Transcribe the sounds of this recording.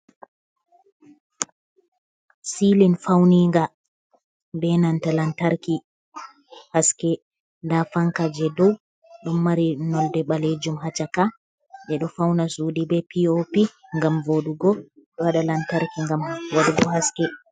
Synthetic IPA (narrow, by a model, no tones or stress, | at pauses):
silinfawniŋɡa | bɛnantalantaɾki | haskɛ | ndafaŋkad͡ʒɛdɔw | ɗumːaɾinɔldɛɓaled͡ʒumɦat͡ʃaka | ɓɛɗɔfawnasuːdibɛpiopiŋɡamvoɗuɡɔɗɔwaɗalantaɾkiŋɡamwaɗuɡɔhaskɛ